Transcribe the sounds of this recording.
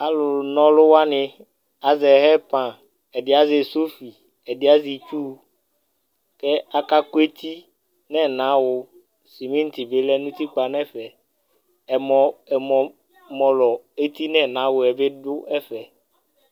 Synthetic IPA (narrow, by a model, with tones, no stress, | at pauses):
a˦lʊ˨nɔ̃˦lʊ˦wa˦nɪ̃˨ | a˨zɛ˨ɦɛ˦pã˨ | ɛ˨dɪ˨a˦zɪ˨so˦fi˨ | ɛ˨dɪ˦a˦zi˨t͡ʃu˦ | kɛ˦a˦ka˦ko˦e˦t̪ʰi˦ | nɛ̃˦nã˨˦wʊ˨ | si˨mĩ˦n̩˦t̪i˨be˦lɛ˦nũ˦t̪i˦k͡pa˨nɛ̃˦fɛ˨ | ɛ˨mɔ˨ɛ˨mɔ̃˨ | mɔ̃˨lɔ˨e˦t̪i˦nɛ̃˦nã˨˦wʊ˨ɛ˨be˦dʊ˦ɛ˦fɛ˨